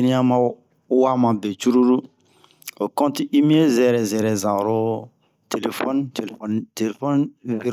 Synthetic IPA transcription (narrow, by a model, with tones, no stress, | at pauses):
i˦nĩ˦a˦mã˦ | wa˦mã˨be˨t͡ʃu˦ɾu˦ɾu˦ | o˨kɔ̃˦ti˦ʔi˦mĩ˦e˦zɛ˨ɾɛ˨zɛ˨ɾɛ˨zã˨ɾo˦ | te˨le˨fɔ˦nte˨le˨fɔ˦nte˨le˨fɔ˦nvi˦ɾ